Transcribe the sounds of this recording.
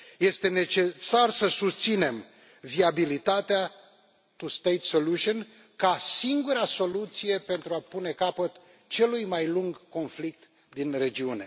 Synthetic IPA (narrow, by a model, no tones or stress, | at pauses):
je̞st̪e̞ne̞t͡ʃe̞sarsəsust̪sine̞m | viabilit̪at̪ea | t̪ust̪ejt̪so̞luʃon | kasiŋɡuɾaso̞lut̪sije̞pe̞nt̪ɾuapune̞kapət̪ | t͡ʃe̞lujmajluŋɡko̞nflik̚t̪ | d̪inre̞d͡ʒiune̞